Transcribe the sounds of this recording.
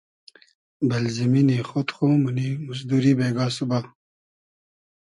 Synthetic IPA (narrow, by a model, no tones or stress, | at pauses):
bɐlziminixot̪χoːmunimusd̪uɾibeːɡaːsuba